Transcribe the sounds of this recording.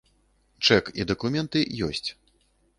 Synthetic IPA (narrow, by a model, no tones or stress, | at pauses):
t͡ʂɛkḭd̪ɐkumʲɛnt̪ɨjɔ̰sʲt͡sʲ